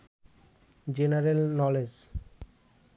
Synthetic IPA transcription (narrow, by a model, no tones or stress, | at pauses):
d͡ʑenaɾelnɔled͡ʑ